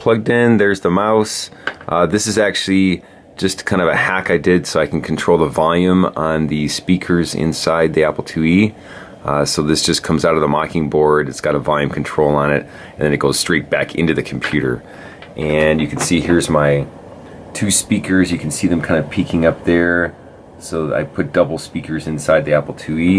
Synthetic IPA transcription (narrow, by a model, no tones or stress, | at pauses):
pʰl̥ʌɡ̚dɪ̃nðə˞zðəmaʊsʔðɪsɨzæk̚t͡ʃʉl̩ˠi̥ | d͡ʒʌskʰãɪ̃ndʌvɨhækaɪdɪdsoʊaɪkʰn̩kʰn̩tʰɹ̥oʊlˠðəvɑlˠjʉ̃mə̃nðɨspikʰə˞zɪ̰̃nsaɪd̪̚ðiæpl̩ˠtʰʉi | soʊðɪsd̥ʒ̥ʌskʰʌ̃mzaʊɾʌvðəmɑkɪ̃ŋbɔɹdɨtsɡ̥ɑɾəvɑlˠjʉ̃mkʰn̩tʰɹ̥oʊlˠə̃nɪt | ɨ̃n̩ðɨ̃nɨt̚ɡ̥oʊz̥stɹ̥eɪt̚b̥ækʰɪ̰̃ntʉðɨkʰm̩pʰj̥ʉɾə̰˞ | ʔɨ̃njɨkʰnsihiɹzmaɪ | tʰʉspikə˞zjɨkʰn̩siðɨ̃m̩kʰãɪ̃ndʌvpʰikʰɪ̃ŋʌp̚ðə˞ | soʊa̰ɪpʰʊt̚d̥ʌbl̩ˠspikʰə˞zɨ̃nsaɪd̪̚ðiæpl̩ˠtʰʉi